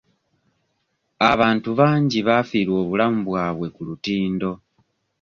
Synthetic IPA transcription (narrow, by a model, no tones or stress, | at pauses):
aβaːntuβaːɲɟiβafiːɾwo̞ːβulamuβwaːβwe̞kulutiːndo̞